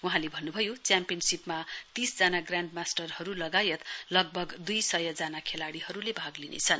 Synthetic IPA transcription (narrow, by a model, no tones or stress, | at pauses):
wuɦãlebʱʌnːubʱʌjot͡sjampijʌnsipmat̪isd͡zanaɡraɳɖmasʈʌrhʌɾulʌɡajʌt̪lʌɡ̚bʱʌɡd̪ujsʌjʌd͡zanakʰelaɽihʌɾulebʱaɡlinḛt͡sʰʌn